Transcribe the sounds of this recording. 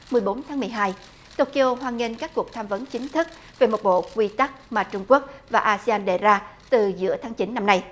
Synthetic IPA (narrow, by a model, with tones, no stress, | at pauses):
mɨ˨˩əjɓo˨˦nt̪ʰaː˨˦mɨ˨˩əjɦaː˧j | t̪o˧ki˧ʔo˧ɦwaː˧nŋe˧nkaː˦˥k̚ku˨˩ək̚t̪ʰaː˧mvə˨˦nt͡ɕï˨˦ŋ̟t̪ʰɨ˦˥k̚ | ve˨˩mo˨˩t̚ɓo̰˧˨kwi˧t̪a˦˥k̚maː˨˩t͡ɕʊ˧ŋ͡mku˦˥ək̚vaː˨˩ʔaː˧si˧aː˧nɗe˨˩zaː˧t̪ɨ˨˩zɨ̰˧˥ət̪ʰaː˨˦ŋt͡ɕi˨˦nːa˧mna˧j